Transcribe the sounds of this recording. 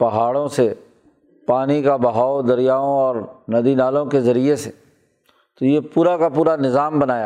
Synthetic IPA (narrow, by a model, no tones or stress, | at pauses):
pɐɦaːɽõse | paːnikabɐɦaːod̪ɐɾijaːõɔːɾnɐd̪inaːlõkezɐɾiese | t̪ojepuːɾakapuːɾanɪzaːmbɐnaːja